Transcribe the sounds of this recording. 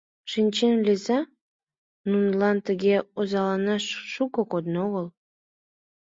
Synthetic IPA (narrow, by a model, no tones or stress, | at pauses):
ʃinʲt͡ɕenlʲezɑ | nunlɑnt̪əɣʲeozɑlɑnɑʃʃukokod̪noɣəl